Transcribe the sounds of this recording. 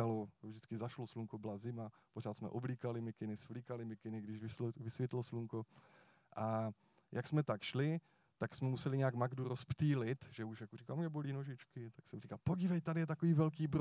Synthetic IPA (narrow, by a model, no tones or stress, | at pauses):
alovʒdɪt͡skɪzaʃlosluŋkobɪlazɪmapor̝aːt̪smɛ̰ʔobliːkalɪmɪkɪnɪsflikalɪmɪkɪnɪɡdɪʒvɪsvɪsʋjɛt̪losluŋko | ʔa | jʔaksmɛt̪akʃlɪ | t̪aksmɛmusɛlɪɲɛakmaɡduɾospt̪iːlɪt̪ʒɛuʃjakurikalmʒɛboliːnoʒɪt͡ʃkɪt̪aksɛmriːkalpoɟɪvɛjt̪adɪjɛt̪akoviːvɛlk̬iːbɾ